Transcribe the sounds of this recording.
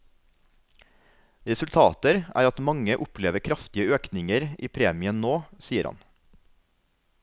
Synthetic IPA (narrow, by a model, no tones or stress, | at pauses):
ɾɛsʉlt̪ʰɑːt̪əɾæ̰ːɾɑt̪mɑŋəʔʊpʰleːʋəkʰɾɑft̪ɪəøːknɪŋəɾiːpʰɾeːmɪənnoːsiːəɾhɑ̰n